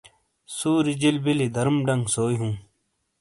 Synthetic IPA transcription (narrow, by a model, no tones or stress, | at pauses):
suːɾid͡ʑilbilid̪ʱɐɾmɖɐŋɡsoːjɦũː